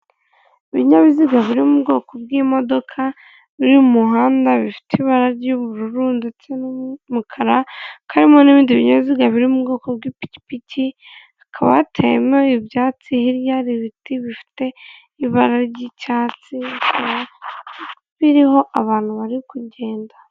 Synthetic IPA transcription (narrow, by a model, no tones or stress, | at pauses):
iβiɲaβiziɡaβiɾimubɡo̞ːko̞bɡimo̞do̞kʰa | βiɾimuɦaːndaβifi̥teiβaɾaɾɟoβuɾuɾuːndit͡senmukʰaɾakʰaɾimoniβiːndiβiɲaβiziɡaβiɾimubɡo̞ːkob̚ɡipi̥ci̥pici | akʰaβa̰tʰḛmeibjaːt͡sihiɾjaɾiβitiβifi̥te̞ | iβaɾaɾɟicaːt͡siakʰaβa | βiɾiɦo̞ʔaβaːn̥huβaɾikuɟe̞ːnda